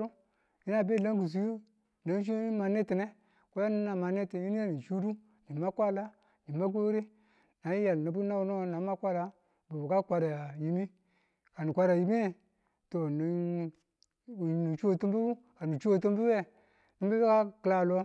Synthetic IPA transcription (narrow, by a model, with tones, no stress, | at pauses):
ɾu˦ | ji˦na˦˨be˦˨la˦ŋɡu˨s̬u˦jo˦ | na˨˦t͡ʃi˦ma˨ni˦ti˨ne˦ | ko˦ja˦ni˦na˨ma˨ni˦ti˨ji˦ni˦ja˦ni˨t͡ʃu˦du˦ | ni˨ma˦kʷa˦la˦ | ni˨ma˦k̬o˦ɾi˦ | na˨˦i˦ja˨lni˨bu˦na˦u˦no˦na˨˦ma˦kʷa˦la˦ | bu˨bu˨ka˦kʷa˦ɾa˨ja˨ji˦mi˦ | ka˨ni˨kʷa˦ɾa˨ji˦mi˦˨ | to˨ni˨ | ni˨t͡ʃu˦o˦˨tu˦mbu˦bu˦ | ka˨ni˨t͡ʃu˦o˦˨tu˦mbu˦we˦ | ni˦mbi˦bka˦kla˦˨lo˦